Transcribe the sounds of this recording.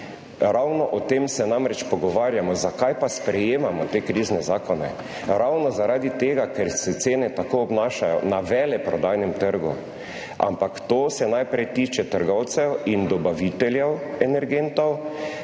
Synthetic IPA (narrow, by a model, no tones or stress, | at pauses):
ɾawnɔʔɔt̪emsɛnamɾɛt͡ʃpɔɡɔʋaːɾjamɔzakajpaspɾɛjeːmamɔt̪ekɾiznɛzaːkɔnɛ | ɾawnɔzaɾaːd̪it̪eːɡakɛɾsɛt̪seːnɛt̪akoɔbnaːʃajɔ̰naʋɛːlɛpɾɔd̪aːjnɛmt̪əɾɡṵ | ʔa̰mpakt̪oːsɛnajpɾɛjt̪iːt͡ʃɛt̪əɾɡɔwt̪sɛwind̪ɔbaʋit̪ɛljɛwɛnɛɾɡent̪ɔw